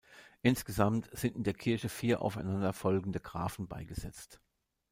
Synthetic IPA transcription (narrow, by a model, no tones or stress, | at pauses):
ʔɪnsɡ̥əzamtz̥ɪntɪndeːɐkʰɪɐçəfiːɐʔa̰ʊfaɪnandɐfɔlɡŋ̩dəɡ̥ʁa̰ːfn̩ba̰ɪɡəz̥ɛt͡st